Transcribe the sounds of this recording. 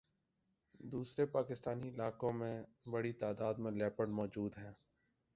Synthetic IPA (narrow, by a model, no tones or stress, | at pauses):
d̪uːsɾepaːkɪst̪aːniɪlaːkõmẽ | bəɽit̪aːd̪aːd̪mẽlɛːpəɖmɔːd͡ʒuːd̪ɦɛ̃ː